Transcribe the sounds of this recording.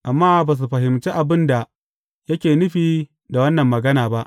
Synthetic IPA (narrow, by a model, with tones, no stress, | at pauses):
ʔa˨mːaː˦baː˨s̬u˨ɸɐ˨ɦɪ˨mt͡ʃeː˦ʔa˨bɪ˦nda˨ | jɐ˦kʲeː˨nʊ˦ɸiː˨ | da˨wɐ˦nːɐ˨mːɐ˨ɡɐ˦naː˨ba˦ʔ